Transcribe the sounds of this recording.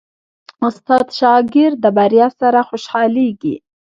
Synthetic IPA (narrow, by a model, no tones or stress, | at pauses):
ʊst̪ɑt̪ʃɑɡɪɾd̪əbaɾjɑsaɾaxoʃhɑleɡḭ